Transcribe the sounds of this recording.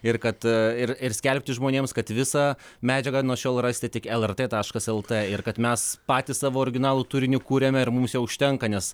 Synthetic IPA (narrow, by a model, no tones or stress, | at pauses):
ɪɾkɐt̪ɪɾɪrsʲkʲɛlʲpʲt̪ʲɪʒmoːnʲeːmskɐt̪ʋʲɪsɑːmʲæːd͡ʒʲɛɡɐnuɔʃʲoːlˠrɑsʲt̪ʲɪt̪ʲɪkɛlˠɛrt̪eːt̪ɑːʃkɐsɛlˠt̪eːɪɾkɐt̪mʲɛspɑːt̪ʲissɑːʋoːoɾʲɪɡʲɪnɑːlˠuːt̪uːɾʲɪnʲɪkuːɾʲemʲɛɪrmumsjɛʊʊʃʲt̪ʲɛŋkɐnʲɛs